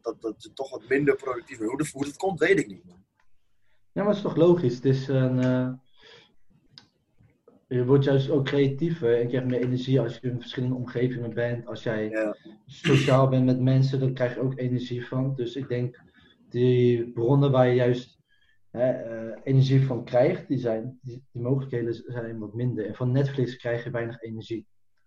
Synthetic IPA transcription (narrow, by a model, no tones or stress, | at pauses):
dtttɔχʋɑtmɪndəɹprowdək̚tivəudəfutət̚kɔmtʋejtɪk̚nit | jaːmartɪstɔχlowχisətɪsən | əʋɔɹtjœɥstowkːrejatifəɛnɪkrɛjχmɪːɹʔenəɹʒiɑlˠsjəənfə̥ɹsχɪləndəɔmχejvɪŋəbɛntɑlˠsjɛj | soʃaːlˠbɛntmɛtmɛns̬ədɑnkrɛjχjəowkenəɹʒivɑndɵsɪɡ̚dɛŋk | d̥əbrɔnəʋaːɹjəjœɥst | ɦɛenəɹʒifɑnkrɛjχt̚dizɛjnid̥imowχələkɦejdəzɛjnʋɑtmɪndəɹɛnvɑnːɛtflɪkskrɛjχjəʋɛjnəχenəɹʒi